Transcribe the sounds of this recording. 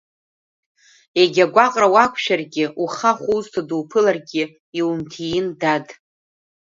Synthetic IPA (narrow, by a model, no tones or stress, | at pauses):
eɡʲaɡʷaqʼrawakʷʰʃᶣarɡʲɪʔuχaχʷuztʰaduwpʰɨlarɡʲɪ | iwumtʰijɪndad